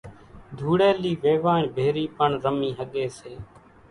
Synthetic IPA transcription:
d̪ʱuːɽeːliːʋeːʋaːɳbʱeːɾiːpəɳɾəmĩːɦəɠeːseː

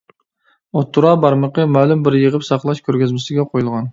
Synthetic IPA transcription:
ot̪ʰːuɾɑbɑɾməqəmælˠymbɪɾjəʁəpsɑqlˠɑʃkʲʰøɾɡʲyzmɪsɪɡʲɛqʰojulˠʁɑn

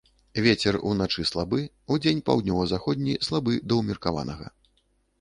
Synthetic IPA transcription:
vʲet͡sʲɛrṵnat͡ʂɨslˠabɨ | ud͡zʲenʲpa̰wd̪nʲɔvɐzaxɔd̪ʲnʲislˠabɨd̪ɐwmʲirkava̰nɐɣɐ̰

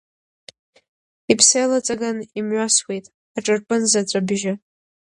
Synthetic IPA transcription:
ipʰsejlat͡sʼaɡanimɥʷaswe̞jtʼ | aʈ͡ʂʼɨrpʼɨnzat͡sʷʼabʒa

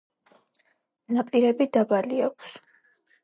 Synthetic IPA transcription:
napʼiɾɛbid̪abaliakʷʰs

